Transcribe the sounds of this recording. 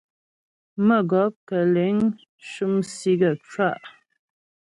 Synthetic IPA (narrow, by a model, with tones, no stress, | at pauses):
mə˦˨ɡɔ˨˦p̚kə˨le˨˦ŋ | ʃu˦msi˦ɡə˨t͡ʃwa˦˨ʔ